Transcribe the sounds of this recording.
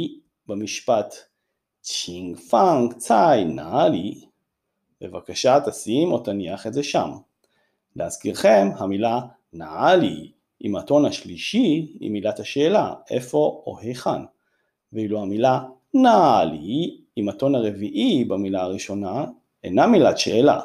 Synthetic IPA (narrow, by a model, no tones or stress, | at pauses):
bemiʃpat | t͡ʃiŋɡfaŋɡt͡sajnaali | bḛvakaʃat̪asimotaniaχetzeʃam | leaz̥kiʁχe̞mhamila | naalḭ | ḭmato̞nhaʃliʃiḭmːilathaʃe̞ːlaʔḛfo̞o̰hejχa̰n | vehiluhamila | naali | imato̞naʁe̞viʔibamilaaʁiʃo̞na | ḛnamilatʃe̞̰ːla̰